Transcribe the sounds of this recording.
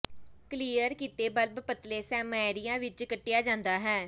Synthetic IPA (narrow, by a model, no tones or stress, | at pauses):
kliːəɾkiːt̪eːbəlbpət̪leːsɛːmɛːɾɪjãːʋɪt͡ʃkəʈːɪjaːd͡ʒãːnd̪aːɦɛː